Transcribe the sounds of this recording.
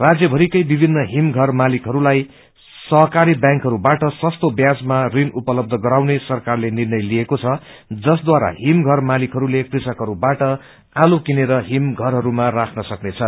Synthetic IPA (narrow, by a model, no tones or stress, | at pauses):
rad͡zjʌbʱʌɾikʌjbibʱinːʌɦimɡʱʌrmalikɦʌɾulaj | sʌɦʌkaɾibjãŋkɦʌɾubaʈʌsʌst̪objad͡zmarinupʌlʌb̚d̪ʱʌɡʌɾawnesʌrkarlenirnʌjliekot͡sʰʌ | d͡zʌsd̪waɾa̰ɦimɡʱʌrmalikɦʌɾulekrisʌkɦʌɾubaʈʌ | alokineɾʌɦimɡʱʌrɦʌɾumarakʰnʌsʌknet͡sʰʌ